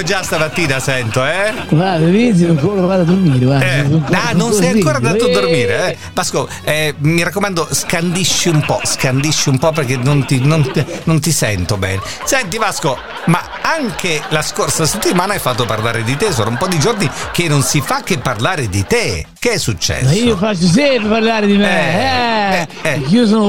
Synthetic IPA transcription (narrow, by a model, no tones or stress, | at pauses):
iod͡ʒast̪amat̪ːiːnasɛnt̪oɛ | babevisiukoklvad̪ad̪ormiːɾebaɛŋkanːonsɛjjaŋkoːɾad̪aoad̪ormiːɾeɛ | basko | ɛmiɾakːomand̪oskand̪iʃːiumpɔ̰skand̪iʃːiumpɔp̬ːerk̟enːont̪inːont̪inont̪isɛnt̪obɛ̰ːne | sɛnt̪̬ipasko | ma | aŋkelaskorsaset̪ːimaːnaajfːat̪ːopa̰rlaːɾed̪it̪esoːnoumpɔd̪id͡ʒornik̟enːonsifakːepːarlaːɾed̪it̪ek̟eɛsːut͡ʃːɛ̰sːiofat͡ʃːos̬ɛpepaɾlaɾed̪imeɛ | ɛɛkios̬on